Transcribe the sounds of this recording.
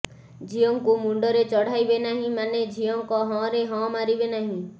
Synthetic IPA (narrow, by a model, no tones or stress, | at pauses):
d͡ʒʱijɔŋkumuɳɖɔɾet͡ʃɔɽ̤ajbenaɦĩmaned͡ʒʱijɔŋkɔɦɔ̃ɾeɦɔ̃maɾibenaɦĩ